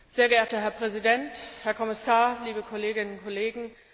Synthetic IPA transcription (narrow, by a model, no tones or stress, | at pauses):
z̥eːɐɡəeːɐtɐɦɛɐpʁ̥ɛzidɛnthɛɐkʰɔmɪsaːɐliːbəkʰɔleːɡɪnənʊnkʰɔleːɡŋ̩